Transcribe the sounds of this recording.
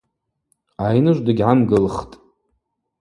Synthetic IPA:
ajnɨʒʷdɨɡʲʕamɡɨlχtʼ

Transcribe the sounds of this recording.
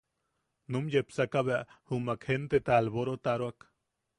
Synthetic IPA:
numjepsakaβeahumakhent̪et̪aːlβoɾot̪aɾoak

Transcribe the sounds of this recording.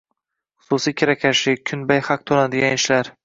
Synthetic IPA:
χʊ̥susijkʲʰɪɾakʲʰaʃɪkʲʰʊnbajhɑq̚t̪ʰonad̪ɪɡʲanɪʃlaɾ

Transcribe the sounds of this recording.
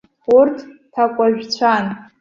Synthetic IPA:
urtʰtʰakʷʼaʒᶣt͡ɕʷʰan

